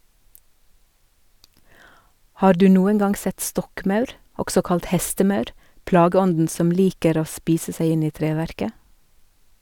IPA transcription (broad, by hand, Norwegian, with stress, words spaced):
ˈhɑːɾ ˈdʉː ˈnuːən ˈɡɑnɡ ˈsɛt ˈstɔkˌmɑʉɾ ˈɔɡsɔ ˈkɑlt ˈhɛstəˌmɑʉɾ ˈplɑːɡəˌɔndn̩ ˈsɔm ˈliːkəɾ ˈoː ˈspiːsə ˈsæɪ ˈɪn ˈiː ˈtɾeːʋæɾkə